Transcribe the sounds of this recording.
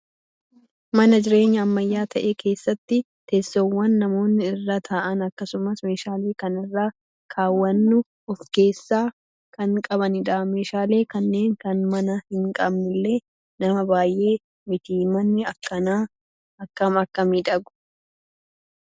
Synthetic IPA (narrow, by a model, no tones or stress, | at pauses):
mɐnɐd͡ʒɪɾe̞ːɲːɐːmːɐjːaːt̪ʰɐʔeːkʰe̞ːsːɐt̪ːɪ | t̪ɛsːɔwːɐnːɐmo̞ːnːɪɪrːat̪ʰaːʔɐnɐkːɐsʊmɐsme̞ːʃaːle̞ːkɐnɪrːaː | kʰaːwːɐnːʊ | ɔfke̞ːsːaː | kɐŋkʼɐβɐnɪᶑaːme̞ːʃaːle̞ːkɐnːe̞ːŋkɐnmɐnɐhɪŋkʼɐbnɪlːe̞ː | nɐmɐbaːjʔe̞ː | mɪt̪iːmɐnːɪɐkːɐnaː | ɐkːɐmɐkːɐmiːᶑɐɡʊ̥